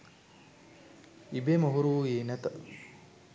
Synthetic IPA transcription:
ibemoɦuɾuːeːnɛt̪ə

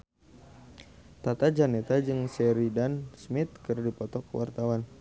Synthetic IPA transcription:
t̪at̪ad͡ʒanɛt̪ad͡ʒɨŋsɛɾidansmit̪̚kɨrdipɔt̪ɔkwa̰rt̪awan

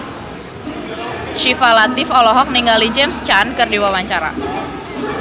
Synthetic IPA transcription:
ʃifalat̪ɪfɔlɔɦɔk̚niŋɡalid͡ʒɛmst͡ʃankɨrdiwawaɲt͡ʃaɾa̰

